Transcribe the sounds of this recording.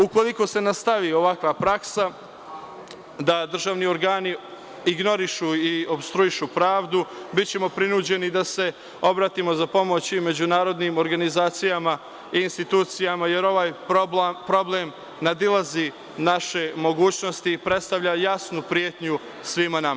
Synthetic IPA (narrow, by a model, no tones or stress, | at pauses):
uko̞lˠiko̞se̞nast̪aʋio̞ʋakʋapɾaksa | d̪ad̪r̩ʒaːʋnio̞ɾɡaːni | iɡno̞ɾiʃuio̞bst̪ɾuiʃupɾaːʋd̪ubit̪t͡ɕe̞mo̞pɾinuːd͡ʑe̞nid̪ase̞ | o̞bɾaːt̪imo̞zapo̞mo̞t͡ɕime̞d͡ʑunaːɾo̞d̪niːmo̞ɾɡanizaːt̪sijama | iːnst̪it̪uːt̪sijamaje̞ɾo̞ʋaːj | pɾo̞blem | nad̪ilˠazi | naʃe̞mo̞ɡuːt͡ɕno̞st̪ipɾet̪st̪aʋʎajasnupɾijet̪ɲu | sʋimanama